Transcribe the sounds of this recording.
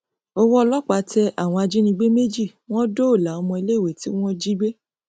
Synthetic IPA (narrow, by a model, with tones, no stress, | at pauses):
ɔ˧wɔ˦˧lɔ˦k͡pa˨˦tɛ˧ʔa˦˨w̃ɔ̃˧a˧d͡ʒi˦nĩ˧ɡ͡be˦me˦d͡ʒi˦˨w̃ɔ̃˦do˦o˦˨la˨˦ɔ˧mɔ̃˧i˧le˦˨we˨ti˦w̃ɔ̃˦d͡ʒi˦ɡ͡be˦